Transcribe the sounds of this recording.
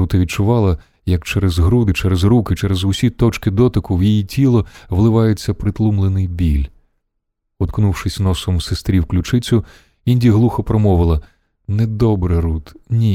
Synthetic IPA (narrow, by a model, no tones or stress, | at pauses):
ut̪ɐʋʲid̚t͡ʃʊʋɑlˠɐ | jɐkt͡ʃɛɾɛzɦɾud̪ɪt͡ʃɛɾɛzɾukɪt͡ʃɛɾɛzʊsʲit̪ɔt͡ʃkɪd̪ɔt̪ɪkʊwjijitʲʰilˠɔʋlˠɪʋɑjet͡sʲːɐpɾɪt̪lˠumlˠenɪjbʲilʲ | ɔt̪knuwʃɪsʲnɔsɔmusest̪ɾʲiwklʲʊt͡ʃɪt͡sʲʊ | inʲdʲiɦlˠuxɔpɾɔmɔʋɪlˠɐ | nɛd̪ɔbɾɪɾut̪nʲi